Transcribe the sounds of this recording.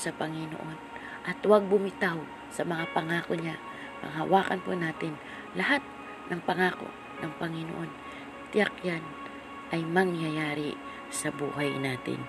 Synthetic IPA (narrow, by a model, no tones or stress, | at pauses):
sɐpɐŋɪno̰ʔo̞n | ʔɐt̪waɡ̚bʊmɪt̪aw | sɐmɐŋapɐŋaːkoɲa | pɐ̰ŋhɐwaːkɐnponaːt̪ɪn | lɐhat̪̚ | nʔɐŋpɐŋaːko̰ | nʔɐŋpɐŋɪnoʔo̞n | t̪ɪjakjan | ʔɐjmɐŋjajaːɾɪ | sɐbṵːhajnaːt̪ɪ̰n